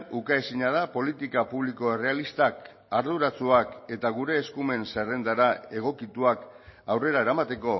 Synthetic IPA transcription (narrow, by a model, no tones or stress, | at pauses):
ukaesiɲaðapo̞lit̪ikapuβliko̞e̞re̞alist̪ak | aɾð̞uɾat͡suake̞t̪aɣuɾe̞ːskume̞nsere̞nd̪aɾae̞ɣ̞o̞kit̪uakawre̞ɾaeɾamat̪e̞ko̞